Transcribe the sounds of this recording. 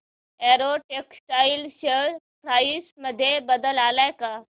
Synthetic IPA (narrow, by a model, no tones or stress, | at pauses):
eɾoʈeksʈailɕəɾ | pɾaisməd̪ʱːjebəd̪əlalajka